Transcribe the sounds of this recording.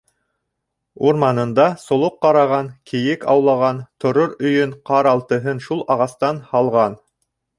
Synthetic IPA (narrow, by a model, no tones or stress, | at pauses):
uɾmɑnɤ̆nd̪ɑsŏlˠoqːɑɾɑʁɑnkĭjɘkɑ̰wlˠɑʁɑnt̪ʰŏɾoɾɵ̆jɵɴqɑɾɑlˠt̪ɤ̆ɦɤnʃulˠɑʁɑst̪ɑnhɑlˠʁɑn